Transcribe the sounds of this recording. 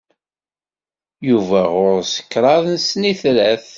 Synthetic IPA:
juvæʁʊɾsə̥kːɾˤɑðnsniθlæθ

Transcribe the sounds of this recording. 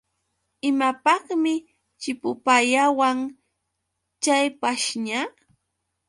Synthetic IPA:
ɪmapɑχmɪ | t͡ʃɪpʊpajawaŋ | t͡ʃajpaʃɲa

